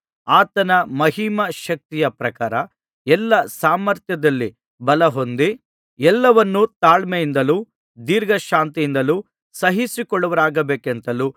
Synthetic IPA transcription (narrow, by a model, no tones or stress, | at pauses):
aːt̪ɐnɐmɐɦimɐʃɐk̚t̪ijɐpɾɐkaːɾɐ | ɛlːɐsaːmɐɾt̪jɐd̪ɐlːi | bɐlɐɦo̞nd̪i | ɛlːɐʋɐnːut̪aːɭmejind̪ɐluː | d̪iːɾɡʱɐʃaːnt̪ijind̪ɐluː | sɐɦisikɔɭːɐʋɐɾaːɡɐbeːkent̪ɐluː